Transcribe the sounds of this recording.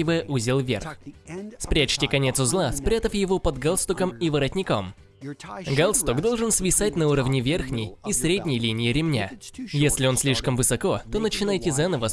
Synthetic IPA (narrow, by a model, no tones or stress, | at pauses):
ɪvɨjəʔuzʲɪlˠvʲḛrxspɾʲat͡ɕtʲɪkɐnʲe̞t̪sʊzlˠaspɾʲat̪əfjɪvopəd̪ɡalˠst̪ʊkəmivəɾɐtʲnʲɪkom | ɡalˠst̪uɡd̪o̞lˠʐɨnsvʲɪsatʲnɐuɾəvnʲɪvʲerxnʲɪjisɾʲedʲnʲɪjlʲinʲɪɪɾʲɪmnʲa̰jesʲlʲɪo̞nsʲlʲiʂkəmvɨsɐko̞t̪o̞nət͡ɕɪnajtʲɪzanəvə